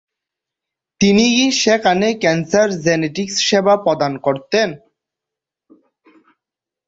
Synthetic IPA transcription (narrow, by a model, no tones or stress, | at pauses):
t̪iniiʃekanekɛnsaɾzɛneʈiksʃɛbapɔd̪ankoɾt̪en